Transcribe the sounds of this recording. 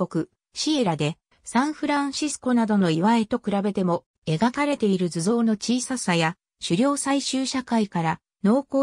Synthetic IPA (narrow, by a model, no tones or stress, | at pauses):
o̞kɯ̟ | ɕie̞ɾad̪e̞ | sãɰ̃ɸɯ̟ɾãɰ̃ɕisɨ̥ko̞nad̪o̞no̞iβae̞t̪o̞kɯ̟ɾabe̞t̪e̞mo̞ | e̞ɡakaɾe̞t̪e̞iɾɯ̟zɨzo̞ːno̞t͡ɕiːsasaja | ɕɨɾʲo̞ːsaiɕɨːɕakaikaɾa | no̞ːkoː